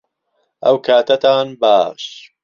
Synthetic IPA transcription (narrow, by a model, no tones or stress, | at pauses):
ʔɐwkʰaːt̪ʰɐt̪ʰaːnbaːʃ